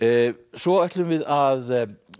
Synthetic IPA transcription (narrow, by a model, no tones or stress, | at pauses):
svɔœht̪lʏmvɪðað